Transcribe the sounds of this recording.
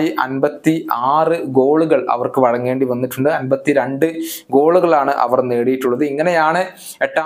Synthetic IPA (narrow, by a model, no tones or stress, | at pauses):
iʔɐnbɐt̪ːiaːrɨɡo̞ːɭuɣɐɭʔɐ̰ʋɐrkɨʋɐɻɐŋːe̞ːɳɖiʋɐnːiʈːuɳɖɨɐnbɐt̪ːiɾeɳɖɨɡo̞ːɭuɣɐɭaːɳɨʔɐ̰ʋɐrne̞ːɽijiʈːuɭːɐðɨiŋːɐne̞jaːɳɨ | eʈːa